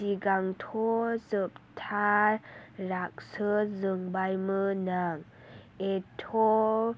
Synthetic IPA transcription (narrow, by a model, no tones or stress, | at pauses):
siɡaŋtʰozəp̚tʰa | ɾak̚səzəŋbajmənaŋ | etʰo